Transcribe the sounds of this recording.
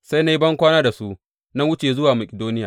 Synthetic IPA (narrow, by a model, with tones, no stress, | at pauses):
sa˦jna˦ji˦bɐ˦ŋkʷaː˦naː˦da˨su˦ʔ | na˦wʊ˦t͡ʃeː˨zʊ˦waː˨mɐ˨kʲʼɪ˨doː˦nɪ˦jaː˨